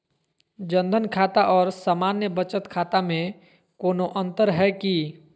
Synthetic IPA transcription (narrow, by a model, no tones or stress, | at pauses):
d͡ʒə̃nd̪ʱənkʰaːt̪aʔɔːɾsaːmaːnjəbət͡ʃət̪kʰaːt̪amẽ | koːnoʔə̃nt̪əɾɦɛki